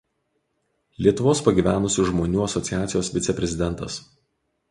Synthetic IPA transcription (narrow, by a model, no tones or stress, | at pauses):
lʲiɛt̪ʊʋoːspɐɡʲiːʋʲæːnʊsʲʊʒmoːnʲuːɐsɔt̪sʲɪjæːt̪sʲɪjoːsʋʲɪt̪sʲɛpʲɾʲɛzʲɪd̪ʲɛnt̪ɐs